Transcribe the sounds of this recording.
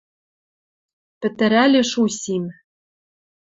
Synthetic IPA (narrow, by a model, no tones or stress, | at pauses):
pɘ̆t̪ɘ̆ɾælʲĕʃusʲim